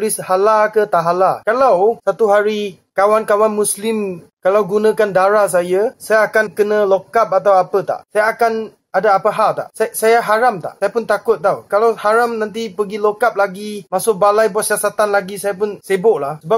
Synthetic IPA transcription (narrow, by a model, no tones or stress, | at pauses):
lɪshalakət̪aɦalakalawsat̪uɦaɾi | kawankawanmũslɪmkalawɡunə̃kandaɾas̬ajəsajaːkankənə̃lokap̚at̪awapət̪a̰ʔsajaːkan | adaːpəɦaʔt̪a̰ʔsasajaɦaɾamt̪a̰ʔsajapʊnt̪akʊt̪̚t̪awkalawhaɾamnant̪̬ipəɡilokap̚laɡimasʊk̚balajbuat̪̚siasat̪anlaɡisajapʊnsebʊʔlahsəba